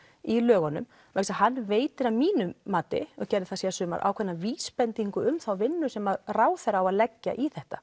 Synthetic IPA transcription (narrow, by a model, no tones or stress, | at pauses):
ilœːɣɔnʏ̰m | ʔeksahanːveːjt̪ɪɾamiːnʏːaːt̪ɪ̰ɔɣcɛɾðɪθasjɛasʏːma̰ɾʔa̰wkʰɛnːaviːspɛnt̪iŋkʏʏmθawvɪnːʏ̥sɛmaðraːwθɛɾaːwaðlɛcːa̰ʔiθɛht̪ḁ